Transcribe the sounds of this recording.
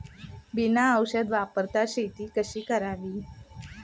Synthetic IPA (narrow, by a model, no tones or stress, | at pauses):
binaəwɕəd̪ʋapəɾt̪aɕet̪iːkəɕiːkəɾaʋiː